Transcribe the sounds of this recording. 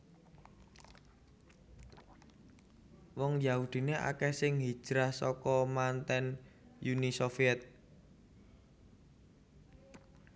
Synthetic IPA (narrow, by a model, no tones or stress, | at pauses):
wɔŋjaud̪̥i̤neʔa̰kɛhsɪŋɦi̥ʒ̥ɾahsɔkɔmant̪ɛnjunisofiɛt̪̚